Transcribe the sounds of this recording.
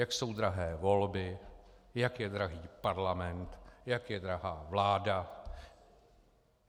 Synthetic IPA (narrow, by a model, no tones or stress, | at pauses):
jakso̞wd̪ɾaɦɛːvo̞lbɪ | jakjɛdɾaɦiːpaɾlamɛnt̪jakjɛdɾaɦaːvlaːda